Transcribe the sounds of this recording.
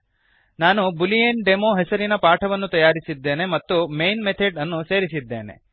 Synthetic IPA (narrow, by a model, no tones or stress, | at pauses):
naːnubulijenɖemoːɦɛsɐɾinɐpaːʈʰɐʋɐnːut̪ɐjaːɾisid̪ːe̞ːne̞mɐt̪ːumejnmet̪ʰeɖɐnːuse̞ːɾisid̪ːe̞ːnḛ